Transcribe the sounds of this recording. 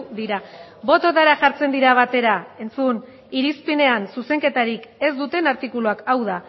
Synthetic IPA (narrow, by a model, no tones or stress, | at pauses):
d̪iɾabo̞t̪ot̪aɾaʝaɾt͡se̞nd̪iɾaβ̞at̪e̞ɾae̞nt͡sun | iɾispine̞ansuse̞ŋke̞t̪aɾike̞zd̪ut̪e̞naɾt̪ikuluakawð̞a